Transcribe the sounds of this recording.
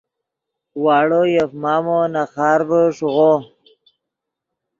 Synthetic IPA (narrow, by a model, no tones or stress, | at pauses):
wɑːɽojefmɑːmonaχɑːɾbəʂuɣo